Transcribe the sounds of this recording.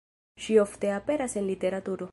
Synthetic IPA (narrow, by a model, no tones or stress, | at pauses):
ʃioft̪eapeɾasenlit̪eɾat̪uɾo